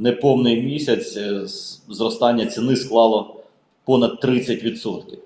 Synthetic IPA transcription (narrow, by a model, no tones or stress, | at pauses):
nepɔwnɪjmʲisʲɐt͡sʲ | zɾɔst̪ɑnʲːɐt͡sʲɪnɪsklˠɑlˠɔ | pɔnɐd̪̚t̪ɾɪt͡sʲːɐtʲʋʲid̪sɔt̪kʲɪw